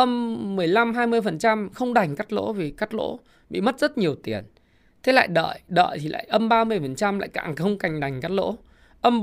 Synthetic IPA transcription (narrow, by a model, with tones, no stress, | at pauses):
ʔə˧mːɨ˨˩əjla˧mɦaː˧jmɨ˧əjfə˨˩nt͡ɕa˧mxə˧wŋ͡mɗa˨˩jŋ̟kaː˦˥k̚lo̰˧˥vi˨˩kaː˦˥k̚lo̰˧˥ | ɓḭ˧˨mə˦˥t̚z̥ə˦˥t̚ɲi˨˩əwt̪i˨˩ən | t̪ʰe˨˦la̰ː˧˨jɗə̰ː˧˨jɗə̰ː˧˨jt̪ʰi˨˩la̰ː˧˨jʔə˧mɓaː˧mɨ˧əjfə˨˩nt͡ɕa˧mla̰ː˧˨jka̰ː˧˨ŋxə˧wŋ͡mka˨˩jŋ̟ɗa˨˩jŋ̟ka˦˥k̚lo̰˧˥ | ʔə˧m